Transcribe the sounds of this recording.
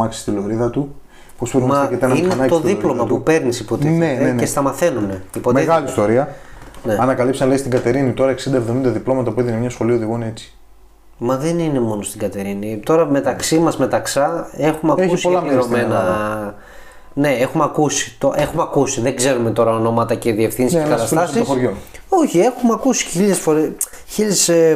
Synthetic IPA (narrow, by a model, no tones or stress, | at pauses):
ɐksi̥st̪ilo̞ɾiðɐt̪u | pospoɾmɐket̪enɐineɐnɐt̪oðiplo̞mmɐpupe̞ɾnisipot̪ieenest̪ɐmɐθe̞nune̞ipotmeiɣɐlist̪o̞ɾiɐne̞ɐnɐkɐlipsinɐleist̪iɡɐt̪e̞ɾinit̪oɾɐeksind̪ɐevðo̞mind̪ɐðiplo̞mɐt̪ɐpuiðinemɲɐsxo̞lioðiɣoineet͡si̥ | mɐðe̞nine̞mo̞nost̪iɡɐt̪e̞ɾinit̪o̞ɾɐme̞t̪ɐksimɐzme̞t̪ɐksɐe̞xumeɐeusiolɐmɾomenɐ | ne̞exumeɐkusi̥t̪oʔe̞xumeɐkusiðeɡze̞ɾume̞t̪o̞ɾɐono̞mɐt̪ɐce̞ðie̞fθinsskɐt̪ɐst̪ɐssiosoɾʝoo̞çie̞xumeɐkusi̥çilesfo̞ɾe | çilese